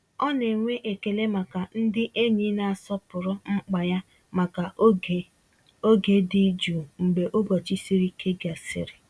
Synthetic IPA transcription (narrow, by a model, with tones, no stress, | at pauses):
ɔ˦ne˨ŋʷe˦ʔe˨ke˨le˦ma˨ka˨n̩˦dɪ˦ʔe˦ɲi˦na˨a˨sɔ˦pʊ˨ɾʊ˦ŋ͡m̩˦k͡pa˨ja˦ | ma˨ka˨˦ | o˦ɡe˦di˦d͡ʒu˨ŋ͡m̩˨ɡ͡be˨ʔo˦ɡɔ˨t͡ʃi˦si˦ɾi˦kʰe˦ɡa˨sɪ̰˨ɾɪ˨